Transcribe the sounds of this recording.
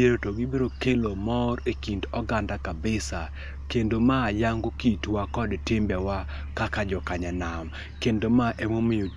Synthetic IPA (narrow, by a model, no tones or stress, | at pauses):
eɾotoɡɪbeɾokelomɔɾekindɔɡandakabɪsa | kendomajaŋɡokitwakɔdtembjawa | kakad͡ʒɔkaɲanam | kendomaʔɛmomɪo